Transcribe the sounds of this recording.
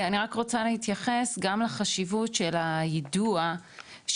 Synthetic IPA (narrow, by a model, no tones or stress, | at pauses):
aniʁakʁo̞t͡salehit̪jaχe̞sɡamlaχaʃivutʃelajedua | ʃ